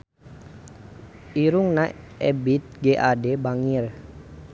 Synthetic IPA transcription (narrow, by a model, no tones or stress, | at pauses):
iɾuŋnaʔɛ̰bit̪̚ɡɛʔadɛbaŋir